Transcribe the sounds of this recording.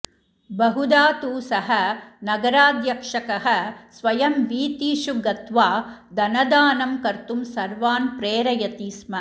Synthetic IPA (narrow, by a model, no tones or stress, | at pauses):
bɐɦud̪aːt̪uːsɐɦɐnɐɡɐɾaːd̪jɐkʂɐkɐɦɐsʋɐjɐmʋiːt̪iːʃuɡɐt̪ʋaːd̪ɐnɐd̪aːnɐmkɐɾt̪umsɐɾʋaːnpɾeːɾɐjɐt̪iːsmɐ